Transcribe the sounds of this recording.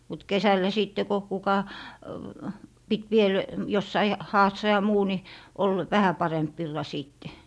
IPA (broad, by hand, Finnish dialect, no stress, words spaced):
mut kesælːæ siˑtːe ko kukɑ pit ʋiel josːɑi hɑːsːɑ jɑ muː ni ol ʋæhæ pɑremp ʋilːɑ siˑtːe